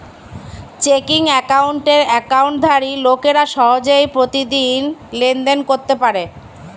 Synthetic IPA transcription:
t͡ɕekiŋɛkauɳʈeɾɛkawɳʈ̚d̪ʱaɾilokeɾaʃɔɦod͡ʑoipɾot̪id̪inlend̪enkoɾt̪epaɾe

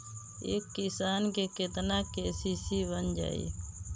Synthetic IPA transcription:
ḛːkːisaːnkeket̪nakesisibənd͡ʒa̰ːḭ

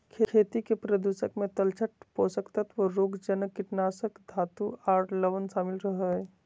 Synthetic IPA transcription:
kʰekʰet̪ikepɾəd̪usəkmet̪əlt͡ʃʰəʈ̚posəkt̪ət̪ʋəɾoɡd͡ʒənkiʈnasəkd̪ʱat̪uaʈʰləʋənsaːmilɾəɦə

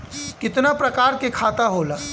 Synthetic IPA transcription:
kɪt̪napɾɐkaːɾkekʰaːt̪aɦoːlaː

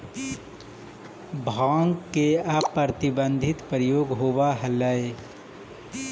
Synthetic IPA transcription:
bʱãːŋɡːeapːɾət̪ɪbə̃nd̪ʱɪt̪pɾjoːɡɦoːwaɦələe

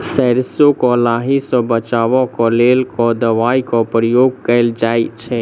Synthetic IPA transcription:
sɛɾsokɔlaɦisɔ̃bət͡ʃaːʋɔ̃kɔleːlkɔd̪əʋaːikɔpɾəjoːɡ̚kəld͡ʒaːjt͡ʃʰɛ

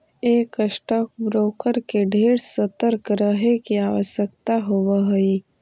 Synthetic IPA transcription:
eːkəʃʈaːk̚bɾoːkəɾkeɖʱeːɽsət̪əɾkɾəɦekiaːʋəʃjək̚t̪aɦoʋaɦʊi

